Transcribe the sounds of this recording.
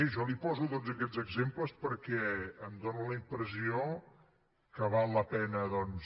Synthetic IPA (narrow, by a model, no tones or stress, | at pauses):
ʒɔlipɔzuðozəkɛd͡zəɡzempləspəɾkɛəmd̪onuləimpɾəsio | kəβalˠːəpɛnəðɔns